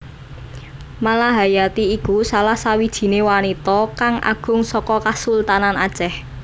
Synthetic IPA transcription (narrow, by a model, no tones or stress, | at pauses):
malaɦajat̪iːkusalahsawid̥ʒ̥i̤newanit̪ɔkaŋʔa̰ɡ̥ʊ̤ŋsɔkɔkasult̪ananad̥ʒ̥ɛh